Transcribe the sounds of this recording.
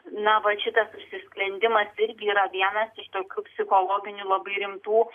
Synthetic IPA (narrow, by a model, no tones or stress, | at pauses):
nɐʋɐʃʲɪt̪ɐsʊʃʲsʲɪsklʲɛnʲd̪ʲɪmɐsɪɾʲɡʲɪiːɾɐʋʲiɛnɐsɪʃt̪oːkʲuːpʲsʲɪxoːlˠoːɡʲɪnʲulˠɐbɐɪɾʲɪmt̪uː